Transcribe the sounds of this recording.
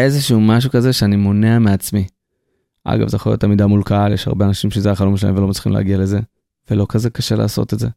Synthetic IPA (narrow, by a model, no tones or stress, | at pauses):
e̞zeʃuumaʃ̬ukaze̞ʃeanimo̞neameat͡smi | ʔa̰ɡa̰vzejaχoljotːamid̪amulkaaljeʃha̰ʁbeanaʃimʃezejaχalo̞mʃela̰ḭmveloat̪sli̥χimlḛːɡiale̞ze | v̥elo̞kaze̞kaʃe̞la̰ːso̰t̪etze̞